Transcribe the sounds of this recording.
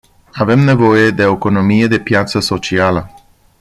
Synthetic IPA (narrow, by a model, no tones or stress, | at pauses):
ave̞mne̞vo̞je̞d̪e̞oeko̞no̞mije̞d̪e̞pjat̪səso̞t͡ʃialə